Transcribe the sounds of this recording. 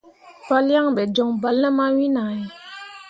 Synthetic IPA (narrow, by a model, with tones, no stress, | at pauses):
pa˦lja˦ŋbɛ˨d͡ʒɔ˨ŋba˨lnɛ˦ma˦wi˦na˨jɛ˨